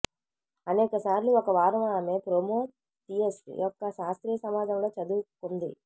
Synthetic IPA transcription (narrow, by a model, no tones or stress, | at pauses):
ɐnɛːkɐsaːɾluɔkɐʋaːɾɐʋaːɐmeːpɾoːmoː | t̪iesʈḭjɔkːɐʃaːst̪ɾiːɐsɐmaːd͡ʒɐmlo̞ːt͡ʃɐd̪uːkund̪i